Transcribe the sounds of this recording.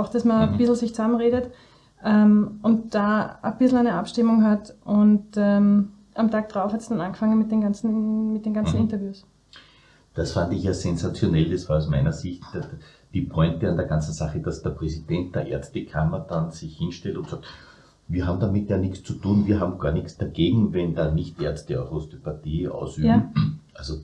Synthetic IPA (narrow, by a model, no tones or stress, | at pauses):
aʊxd̥asmɐb̥ɪsl̩sɪçt͡samənʁeːɾət | ʔɛmʔʊntd̥aːəb̥ɪsl̩æɪnəapʃtɪmʊŋɦatʔʊntɛm | ʔamtʰaːɡ̚d̥ʁaʊfhatsd̥ananɡəfaŋənmɪt̚deːnɡant͡sn̩mɪt̚d̥eːnɡant͡sn̩ɪntɐvjuːs | d̥asfandɪçjaːsɛnzat͡sjonɛldɐsvaːɑʊsmæɪnɐzɪçt | d̥iːpʰɔʏntəandeːɐɡant͡sn̩saχəd̥asd̥eɐpʁɛzid̥ɛnt̚d̥eɐʔḛɐstəkʰamɐd̥ansɪçhɪnʃtɛltʊntsaːk̚t | viːɐɦaːbm̩d̪amɪtjaːnɪkst͡sutuːnviːɐɦaːbm̩ɡ̥aːɐnɪksd̥aɡ̥eːɡŋ̩vɛndaːnɪçtʔeɐstəɔ̰ʁostypatiːʔa̰ʊsʔybm̩ʔalzo